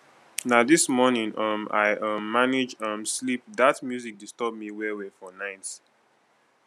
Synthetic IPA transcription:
nadismɔnĩŋʌma̰ɪʔʌmːaned͡ʒʌ̃mslip̚datmjuzik̚distɔb̚miwɛwɛfɔnãɪt

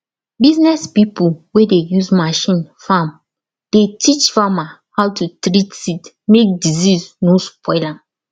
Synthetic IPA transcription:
biznɛspipulwedejuzmaʃĩnfam | d̥etʰit͡ʃfamahawtutɾitit | mek̚dizisnospɔɪlãn

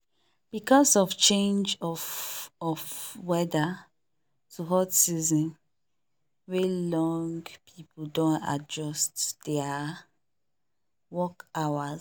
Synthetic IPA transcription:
b̥ikɔsɔft͡ʃẽnd͡ʒɔfɔfwɛda | tʰuɦɔtsizɔ̃n | welɔ̃ŋɡpʰipʰudõna̰d͡ʒɔstd̥ɛa | wɔkawa

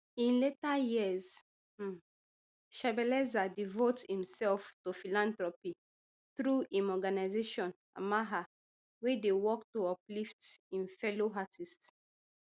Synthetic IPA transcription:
ĩnletajiəz | ʃabɛlɛzadivothĩmsɛlftofilãntɹɔpi | θɹuʔĩnɔɡanaɪzeʃɔ̃n | a̰maɦa | wɛdewɔktoɔpliftĩnfɛloɦatʰist

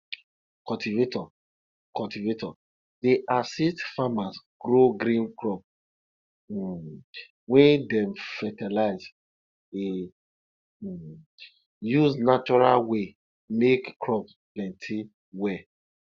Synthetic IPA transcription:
kɔltivetɔ | kɔltivetɔ | deʔasistfamasɡɾoɡɾĩnkɹɔp | wɛ̃ndɛ̃mfɛtɛlaɪz | e | juznat͡ʃɔɹalwe | mekkɹɔpsplɛ̃ntʰi | wɛ

